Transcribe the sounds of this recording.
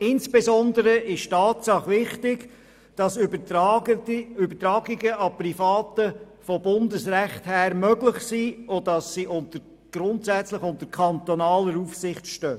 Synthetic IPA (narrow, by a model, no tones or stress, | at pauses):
ɪnsb̥ezɔndəɾəʔɪʃtɑːtsɑχʋɪχtɪɡ | d̥ɑsb | ʏbətɾɑːɡiɡəʔɑprifɑːtə | fɔbʊndəsræχthæːɾmœɡlɪχsiːʊdɑsːiʔʊntəɾ | ɡ̥rʊntsæt͡sləχʊntəɾkʰχɑntɔnɑːləɾufsɪχtʃtøː